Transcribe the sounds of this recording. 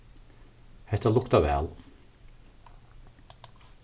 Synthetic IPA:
hɛt̪əlʊkt̪ɑʋɛ̰ːl

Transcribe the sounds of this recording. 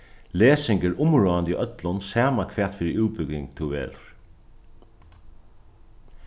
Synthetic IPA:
leːsɪŋkəɾʊmɹɔːand̪iʔœt̪lʊnsæːmakʰʋæːt̪fɪːɾɪuːpʏkɪŋkt̪ʰuʋḛːlɹ

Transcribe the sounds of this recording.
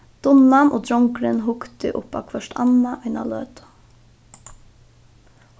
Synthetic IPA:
d̪̥ʊnanʔoːd̪ɾɔŋkɾɪnɦʊkt̪ɪ̰ʔʊ̰pa̰kʰʋœʃtʰɑ̰naʔɑɪna̰lø̰ːt̪ḁ

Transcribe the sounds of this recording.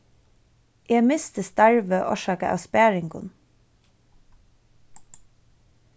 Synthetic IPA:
jeːmɪst̪əst̪æɹʋəʔɔ̰ʃɑːkəʔɑ̰ːspæːɹɪŋɡʊ̰n

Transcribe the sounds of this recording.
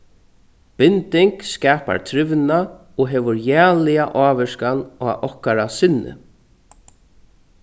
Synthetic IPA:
pɪnt̪ɪŋkskɛːpa̰ɾt̪ʰɾɪʋna | ɔɦɛːʋʊɾjæːlɪjaʔaːʋɪskana̰ːʔɔhkaɾasɪnːɪ̰

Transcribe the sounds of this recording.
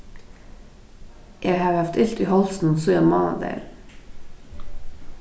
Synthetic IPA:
jʔæːhɑːɾhɑft̪ɪlt̪iːhɔlsn̩suːjɑmɑːnɑ̰d̪ḛːɾ

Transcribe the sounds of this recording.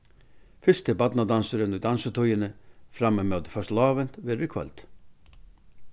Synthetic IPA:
fʏst̪əbɑt̪nɑd̪ɑnsəɾənʉd̪ɑnsət̪ʰɔʏənəfɾɑməmoːd̪fœʂtlɑːʋənt̪ʋeːɾʋɪkʰʋɔ̰lt̪

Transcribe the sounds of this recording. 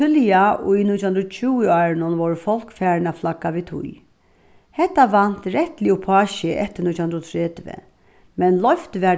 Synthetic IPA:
ʏljaʔʊinʊt̪ʰjʊnd̪ɾɔt͡ʃʰuːɪɑːɾɪnʊnʋɔɾfɔl̥kfæːɾɪnaflakːaʋit̪ʰʊ̰j | hɛt̪ːaʋan̥t̪ɾɛht̪lɪʊpʰɑːʃɛʔɛt̪ːɪnʊt̪jhʊnd̪ɾɔt̪ʰɾɛːt̪ʋə̰ | mɛnlɔft̪ʋɛ

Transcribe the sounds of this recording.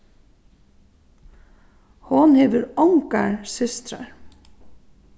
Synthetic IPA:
hʊnheːʋəɾɔŋkaɹsʏst̪ɾa̰ɹ

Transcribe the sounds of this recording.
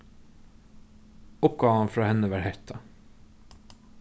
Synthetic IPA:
ʊp̚ɡ̥ɑːʋɑnfɾɑːhɛnəʋæɾhɛɾt̪ʰɑ

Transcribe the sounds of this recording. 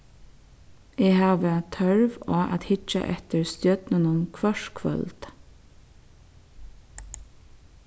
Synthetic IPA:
eːhɑːʋət̪ʰœɹʋoːʔɑ̰t̪hɪt͡ʃə̰ʔɛt̪əɹst̪jœd̪̥nənʊnkʰʋɑʃkʰʋœ̰lt̪

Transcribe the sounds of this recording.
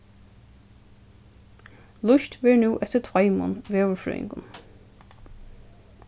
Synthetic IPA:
lʊʃt̪ʋɛːɹnuːʔɛt̪ət̪ʰʋɑɪmʊ̰nʋeːʋʊɹfɾœ̰ːɪ̰ŋɡʊ̰n

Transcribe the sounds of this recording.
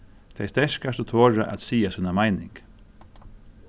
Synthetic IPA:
t̪ʰɛɪst̪ɛʂkast̪ɔt̪ʰoːɹa̰ʔa̰t̪siːasʉːnamaɪnɪ̰ŋɡ

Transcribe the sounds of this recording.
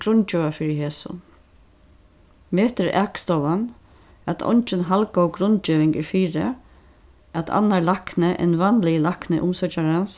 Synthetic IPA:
ɡɾʊnt͡ʃɛːʋafɪɾɪɦeːsʊ̰ | meːht̪ɪɾɛkst̪ɔvan | at̪ʰɔ̰ɲt͡ʃɪnɦalkawɡɾʊnt͡ʃɪːʋɪŋkɪɾfiːɾɪ | at̪ʰa̰nːalaknɪʔɛ̰nvanlɪjlaknɪʔʊmsœt͡ʃaɾans

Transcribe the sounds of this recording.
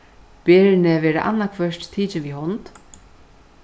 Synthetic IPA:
peːɾɪnɪvɛːɾa̰ʔa̰nːakʰvœʂtt̪ʰiːt͡ʃɪnviɦɔnt̪

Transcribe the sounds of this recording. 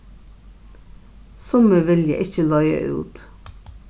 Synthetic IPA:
sɔməʋɛljə̰ʔɪçəlɑʏə̰ʔʉ̰ːt̪

